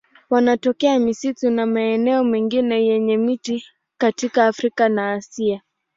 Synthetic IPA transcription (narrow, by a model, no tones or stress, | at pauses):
wanatɔkɛamisitunamaɛnɛɔmɛŋɡinɛjɛɲɛmiti | katikaːfɾikanaːsia